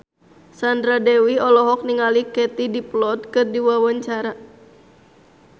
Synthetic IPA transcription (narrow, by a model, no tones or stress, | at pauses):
sandɾadɛwiɔlɔɦɔk̚niŋalikɛt̪idiplɔt̪̚kɨrdiwawaɲt͡ʃaɾa